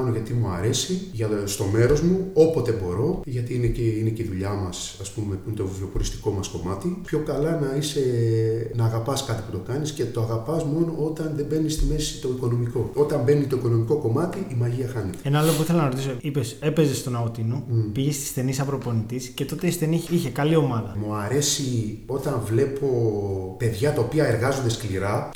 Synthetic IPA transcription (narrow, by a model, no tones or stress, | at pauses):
noʝɐt̪imuɐ̰ɾe̞siʝɐst̪o̞me̞ɾo̞zmuo̞pot̪e̞bo̞ɾo̞ʝɐt̪iineceineceiðuʎamɐsɐspume̞umt̪oviopoɾist̪i̥ko̞mɐsko̞mat̪ipço̞kɐlɐnɐise̞nɐːɣɐpɐskɐt̪i̥put̪o̞kɐnisce̞t̪o̞aɣɐpɐsmo̞no̞ʔo̞t̪ɐnðe̞mbe̞nisst̪ime̞si̥t̪o̞iko̞no̞miko̞o̞t̪ɐmbe̞nit̪o̞iko̞no̞miko̞ko̞mɐt̪iʔimɐʝiɐxɐnet̪ee̞nɐɐlop̬uiθelɐnɐɾot̪isoipe̞se̞pe̞zest̪onɐot̪inupiʝest̪i̥sθe̞nisɐpɾo̞po̞nit̪isce̞t̪o̞t̪e̞isθe̞niiçe̞kɐlio̞mɐðɐmuɐɾe̞si | o̞t̪ɐɱvle̞po̞pe̞ðʝɐt̪ɐopiɐe̞ɾɣɐzo̞nd̪eskliɾɐ